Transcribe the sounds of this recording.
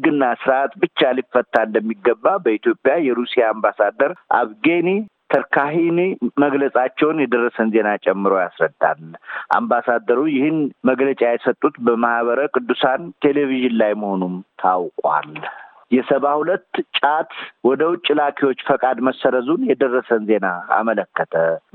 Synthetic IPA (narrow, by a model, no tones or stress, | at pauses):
ɡɨnːasɨɾat̪bɨt͡ʃːalifːət̪ʰːaɨnd̪əmːiɡːəbːabəit̪ʰjo̞pʼjajɛɾusijaːmbasad̪ːəɾʔa̰βɡenit̪ʰəɾkʰaɦiniməɡləsʼat͡ʃːɛwnjɛd̪ərːəsənze̞nat͡ʃʼɛmːɨɾojasɾəd̪ːa̰lʔa̰mbasad̪əɾujɪhɨnməɡlət͡ʃʼajɛsət̪ʼːut̪bəmahβəɾəkʼɨd̪ːusant̪ʰe̞le̞viʒɪnlajməho̞numt̪ʰawkʼwa̰l | jɛsəβahulət̪ːt͡ʃʼat̪wɔd̪əwʊt͡ʃʼːɪlakʰiwo̞t͡ʃːfəkʼad̪məsːəɾəzunjɛd̪ərːəsənze̞naa̰mələkːət̪ʰə